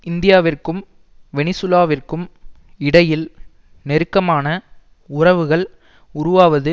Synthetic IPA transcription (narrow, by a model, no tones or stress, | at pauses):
ɪnd̪ɪjaːʋɪrkɯm | ʋɛnɪsʊlaːʋɪrkɯm | ɪɽɐjɪl | nɛɾɯkːɐmaːnɐ | ʊrɐʋɯɣɐɭ | ʊɾʊʋaːʋɐðɯ